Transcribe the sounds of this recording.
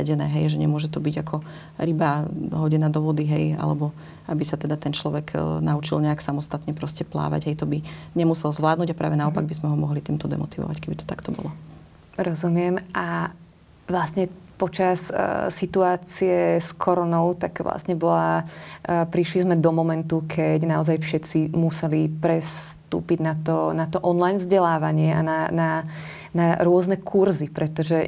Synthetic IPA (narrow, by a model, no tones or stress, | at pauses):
ɛɟɛnɛːɦɛjʒɛɲɛmʊɔʒɛt̪ɔbiɟakʰɔ | ɾibaɦɔɟɛnaːd̪ɔʋɔd̪iɦɛja̰lɛbɔ | abisat̪ɛd̪at̪ɛnt͡ʃlɔʋɛɡnaut͡ʃilɲɛaksamɔst̪at̪ɲɛpɾɔscɛpla̰ːʋa̰ɟɦɛjt̪ɔbiɲɛmusɛlzʋlaːd̪nuːɟapɾa̰ːʋɛnaɔpaɡ̚bizmɛɦɔmɔɦlit̪iːmt̪ɔd̪ɛ̰mɔt̪iʋɔ̰ʋa̰ckɛbit̪ɔ̥t̪akt̪ɔbɔ̰lɔ | ɾɔzumɪɛmʔa | ʋlasɲɛpɔt͡ʃassit̪uaːt͡siɛskʰɔɾɔnɔʊt̪aɡʋla̰sɲɛbɔla | pɾiʃlizmɛd̪ɔmɔmɛnt̪ukʰɛɟnaɔzajfʃɛt͡simusɛlipɾɛst̪ṵːpiɟnat̪ɔnat̪ɔʔɔnlajnvzɟɛlaːʋaɲɪɛʔa̰nana | naɾʊɔznɛkʰuɾzipɾɛt̪ɔʒɛ